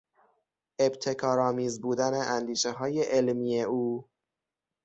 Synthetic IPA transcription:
e̞bt̪ʰe̞kʰɒːɾɒːmiːzbuːd̪æne̞ʔænd̪iːʃeɦɒːje̞ʔelmijeuː

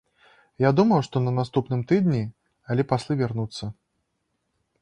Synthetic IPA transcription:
jad̪umɐwʂt̪ɔnɐnast̪upnɨmt̪ɨd̪nʲi | alʲɛpasʲlʲˠɨvʲarnut̪sːɐ

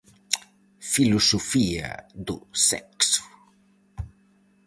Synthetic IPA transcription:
filosofia̰d̪usɛ̰ksu̥

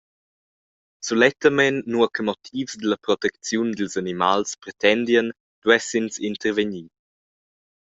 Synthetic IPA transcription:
sulɛt̪əmɛnːuəkʰəmɔt̪ʰiːvsd̪əlɐpɾɔt̪ɛk̚t͡sjund̪əlsanimalspɾɛt̪ɛnd̪ijən | d̪̥wɛsinsint̪əɾveɲiː

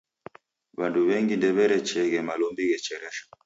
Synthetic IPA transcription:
βanduβɛŋɡindɛβɛɾɛt͡ʃɛɣɛmalɔmbiɣɛt͡ʃɛɾɛʃḁ

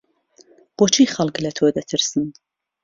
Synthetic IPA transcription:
b̥oːt͡ʃʰiːxɐlˠklɐt̪ʰoːd̪ɐt̪ʰɨɾsɨn

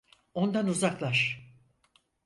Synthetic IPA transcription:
o̞nd̪anuzaklˠaʃ

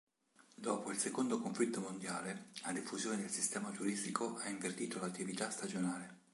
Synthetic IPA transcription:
d̪ɔːpoilsekond̪okoɱflit̪ːomond̪jaːlelad̪ifuzjoːned̪elsist̪ɛːmad͡ʒ̪uɾist̪ikʰoʔaiɱvert̪iːt̪olat̪ːivit̪ast̪ad͡ʒonaːle

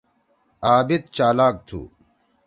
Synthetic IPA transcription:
aːbit̪̚t͡ɕaːlaːk̚t̪ʰṵː

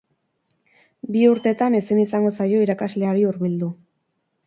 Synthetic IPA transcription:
biuɾt̪e̞t̪ane̞sinisaŋɡo̞sajo̞iɾakazle̞aɾiuɾβild̪u

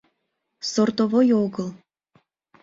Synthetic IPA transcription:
sort̪ovojoɣəl

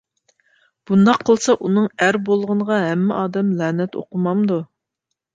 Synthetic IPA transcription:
b̥und̪ɑqʰəlˠsɑʔunɨŋæɾbolˠʁəɴʁɑɦɛmːɪʔɑːd̪ɛmlæːnɛt̪o̰qʊmɑmd̪u

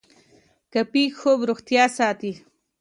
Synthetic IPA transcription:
kɐpiːxoːbɾoxt̪jaːsaːt̪i

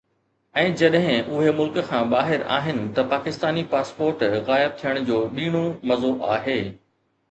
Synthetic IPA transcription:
ɛ̃ːd͡ʑɐɗɦɪ̃ʔʊɦemʊlkkʰãːɓaːɦɪɾa̰ːɦɪnɪ̆t̪ɐpaːkɪst̪aːnipaːspoːɾʈɣaːɪb̚t̪ʰijəɽ̃d͡ʑoːɓiːɽ̃omɐzoʔa̰ːɦeː

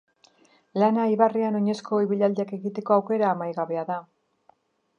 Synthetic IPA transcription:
lanaiβariano̞ɲe̞sko̞iβiʎald̪eake̞ɣit̪e̞ko̞awke̞ɾaːmajɣaβe̞aða

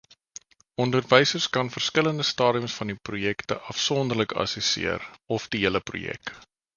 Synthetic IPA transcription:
ɔndərvɛjsərskɐnfərskələndəstɑːɾiəmsfɐndiprujɛktə̰ʔɐfsɔndərləkɐ̰səsḭərɔfdiiələprṵjɛ̰k

